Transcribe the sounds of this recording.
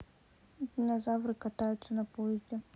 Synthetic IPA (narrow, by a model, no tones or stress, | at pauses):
d̪ʲinɐzavɾɨkɐt̪ajʊt̪sːɐnɐpɔjɛzʲdʲɛ